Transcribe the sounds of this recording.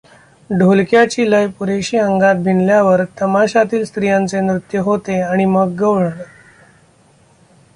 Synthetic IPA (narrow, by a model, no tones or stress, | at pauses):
ɖʱolkjat͡ɕiːləjpuɾeɕiːəŋɡat̪̚bʱinljaʋəɾt̪əmaɕat̪iːlst̪ɾijãnt͡semɾut̪jəɦot̪eaɽ̃iməɡːəʋɭɳɳ